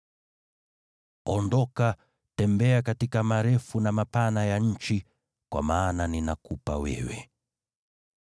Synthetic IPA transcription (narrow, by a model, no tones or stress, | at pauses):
ɔndɔka | tɛmbɛakatikamaɾɛfunamapanajaɲ̩t͡ʃi | kwa̰maːnaninakupa̰wɛ̰wɛ̰